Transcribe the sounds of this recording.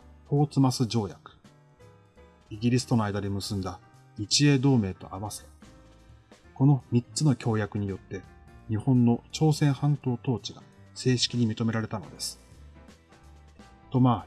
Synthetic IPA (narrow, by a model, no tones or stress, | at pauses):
po̞ːt͡sɨmasɨd͡ʑo̞ːjakɯ̟̥ | iɡʲiɾʲisɨ̥t̪o̞no̞ajd̪ad̪emɯ̟sɨ̃nd̪a | it͡ɕie̞ːd̪o̞ːme̞ːt̪o̞̰ʔaβase | ko̞no̞mʲitt͡sɨno̞kʲo̞ːjakɯ̟ɲ̟ijo̞t̪ːe̞ɲ̟ihõ̞nːo̞t͡ɕo̞ːsẽ̞ɰ̃hãnt̪o̞ːt̪o̞ːt͡ɕiɡa | se̞ːɕi̥kʲiɲ̟imʲit̪o̞me̞ɾaɾe̞t̪ano̞̰d̪e̞sɨ̥ | t̪o̞ma